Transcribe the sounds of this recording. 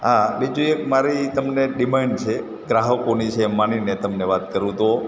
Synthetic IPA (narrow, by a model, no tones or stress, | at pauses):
ɦabid͡ʒuek̚maɾit̪əmneɖimaɳɖt͡ʃʰe | ɡɾaɦəkonit͡ʃʰemaninet̪əmneʋat̪kəɾũt̪o